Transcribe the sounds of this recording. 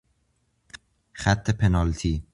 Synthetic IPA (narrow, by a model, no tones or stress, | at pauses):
xæt̪ʰːepʰenɒlt̪ʰiː